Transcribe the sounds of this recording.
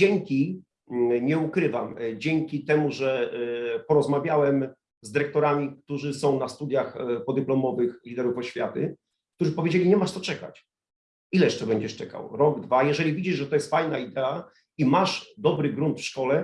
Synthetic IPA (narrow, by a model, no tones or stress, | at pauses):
ɛŋkʲi | ɲɛukɾɘvamd͡ʑɛŋkʲit̪ɛmuʐɛ | pɔɾɔzmavʲjawɛm | zd̪ɘɾɛk̚t̪ɔɾamʲikt̪uʐɘsɔ̃w̃nast̪ud̪jaxpɔd̪ɘplɔmɔvɘxlʲid̪ɛɾufɔɕfʲjat̪ɘ̰ | kt̪uʐɘpɔvʲjed͡ʑelʲiɲɛmaʂt̪ɔt͡ʂɛka̰t͡ɕ | ilɛjɛʂt͡ʂɛbɛɲd͡ʑɛʂt͡ʂɛka̰wɾɔɡd̪vajɛʐɛlʲivʲid͡ʑiʐʐɛt̪ɔjɛst̪fajnaid̪ɛa | imaʂd̪ɔbɾɘɡɾunt̪fʂkɔlɛ